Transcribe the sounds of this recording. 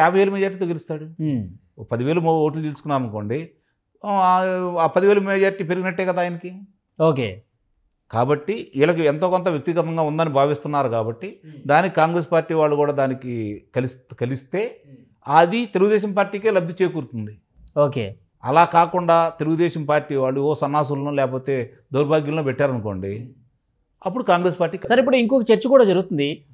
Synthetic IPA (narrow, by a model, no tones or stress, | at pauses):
jaːbʱɐjeːlumɛːd͡ʒaːɾʈ̬iːt̪oːɡelist̪aːɽu | pɐd̪iʋe̞ːlumoːʈ̬lut̪elsu̥kunːaːɾɐnko̞ːɳɖe | aːpɐd̪iʋe̞ːlumɛːd͡ʒaːɾʈiːpe̞ɾiɡinɐʈːeːkɐd̪aːjɐnɐki | oːkḛː | kaːbɐʈːiilɐkuɛnt̪o̞ːkont̪̬ɐʋjɐk̚t̪iɡɐt̪ɐŋɡaːund̪aːnibʱaːʋist̪unːaːɾukaːbɐʈːid̪aːnikikaːŋɡɾe̞ːspaːɾʈːiːʋaːɭːukuːɽaːd̪aːnikikɐlst̪kɐlist̪e̞ː | ɐd̪it̪eluɡud̪ɛːʃ̬ɐmpaːɾʈiːkeːlɐbd̪it͡ʃeːjkuːɾut̪und̪i | oːkḛː | ɐlaːkaːkuɳɖaːt̪e̞luɡud̪ɛːʃɐmpaːɾʈiːʋaːɭːuoːsɐnːaːs̬ulɐnulɛːkɐpo̞ːt̪e̞ː | d̪uːɾbʱaːɡjɐlnoːpɛʈːaːɾɐnuko̞ːɳɖi | ɐp̬ːuɽukaːŋɡɾe̞ːspaːɾʈːiːksɐɾip̬ːuɽuiŋkɔkɐt͡ʃeɾt͡ʃɐkuːɽaːd͡ʒɐɾuɡut̪und̪i